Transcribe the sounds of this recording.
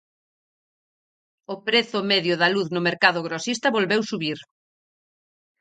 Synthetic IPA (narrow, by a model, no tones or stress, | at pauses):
ʊpɾeθʊmeðjʊðɐluθnʊmeɾkaðʊɣɾosist̪ɐβolβewsuβiɾ